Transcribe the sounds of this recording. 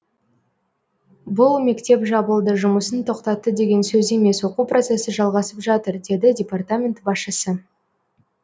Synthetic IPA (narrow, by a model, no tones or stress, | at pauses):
bʊlˠme̞kt̪e̞pʒɑbəlˠd̪əʒʊməsənt̪ʰo̞qt̪ɑt̪ːəd̪e̞ɡʲe̞nsɵze̞me̞swo̞quprʔo̞t̪se̞səʒɑlˠʁɑsəpʒɑt̪əɾd̪e̞d̪ɪdʲepart̪amʲe̞nt̪bɑsʃəsə